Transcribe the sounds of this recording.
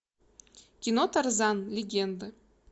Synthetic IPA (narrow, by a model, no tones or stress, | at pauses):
kʲinot̪ɤrzɑnlʲeɡʲend̪ə